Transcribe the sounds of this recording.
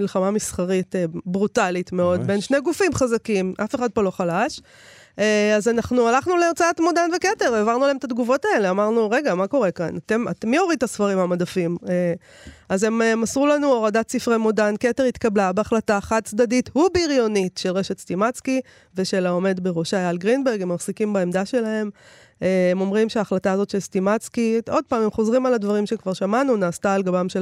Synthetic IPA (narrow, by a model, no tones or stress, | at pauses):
ilχamamisχaʁitebʁutalitmeo̞dbe̞nʃneɡufimχazakimʔafeχad̚polo̞χalaʃ | eazanaχnualaχnuleːʁt͡saatmodanvekete̞ʁavaʁnulaemtat̪ɡuvo̞tae̞le̞amaʁnuʁe̞ɡamako̞ʁe̞kanate̞matmːioʁid̚t̪asfaʁimhamadafime | aze̞mmasʁulanuoʁadatsifʁemodanke̞teʁit̪kablabeaχlataχat̚t͡sd̪adithubeiʁjo̞nitʃe̞lʁeʃetstimat͡ski | ve̞ʃe̞lao̞me̞dbeʁoʃajalɡʁinbeʁɡemaʁsikimbaemdaʃe̞laɦe̞m | eemo̞mʁimʃeaːχlataːzo̞t̪ʃe̞lstimat͡skio̞d̚paːmemχo̞zʁimaladvaʁimʃekvaʁʃamanunaːst̪aːlɡabamʃe